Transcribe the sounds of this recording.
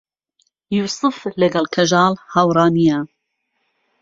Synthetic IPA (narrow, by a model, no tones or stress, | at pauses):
juːsɨflɨɡɐlkʰɐʒɑːlhawɾɑːnija